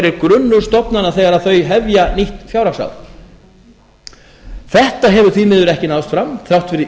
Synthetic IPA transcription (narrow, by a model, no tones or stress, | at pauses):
ɾɪɾkɾʏnːʏɾ̥st̪ɔpnanaθɛɣaɾaðθœɥɦɛvjaniht̪nfjawɾaksa̰wð | θɛht̪aɦɛvʏɾ̥θvimɪːðʏɾɛhcɪnawst̪fɾamθɾawht̪fɪɾɪ